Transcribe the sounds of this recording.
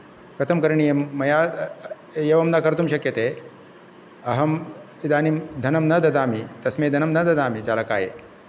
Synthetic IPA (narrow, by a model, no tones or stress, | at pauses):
kʰɐt̪ʰɐmkɐɾɳijemɐja | jeʋɐmnakɐɾt̪umɕɐkjɐt̪e | ɐɦɐm | id̪aːnimd̪ʱɐnɐmnɐd̪ɐd̪aːmit̪ɐsmed̪ʱɐnɐmnɐd̪ɐd̪aːmitalakaːjḛ